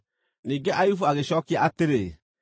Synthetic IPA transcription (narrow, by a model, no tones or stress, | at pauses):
nĩɡɛʔajufoaɣeʃɔkiateɾe